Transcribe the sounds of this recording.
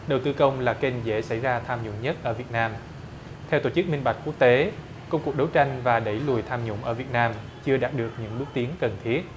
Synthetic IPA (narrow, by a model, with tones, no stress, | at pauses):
ɗə˨˩wt̪ɨ˧kə˧wŋ͡mlaː˨˩ke˧nzḛ˧˥sa̰˧˩jzaː˧t̪ʰaː˧mɲʊ̰˧˥ŋ͡mɲə˦˥t̚ʔəː˧˩vi˨˩ət̚naː˧m | t̪ʰɛ˧wt̪o˧˩t͡ɕɨ˦˥k̚mï˧ŋ̟ɓa˨˩jk̟ku˦˥k̚t̪e˨˦ | kə˧wŋ͡mku˨˩ək̚ɗə˨˦wt͡ɕa˧jŋ̟vaː˨˩ɗə̰˧˩jlu˨˩jt̪ʰaː˧mɲʊ̰˧˩ŋ͡mʔəː˧˩vi˨˩ət̚naː˧m | t͡ɕɨ˧əɗaː˨˩t̚ɗɨ˨˩ək̚ɲɨ̰˧˥ŋɗu˦˥t̪i˨˦əŋkə˨˩nt̪ʰi˦˥ət̚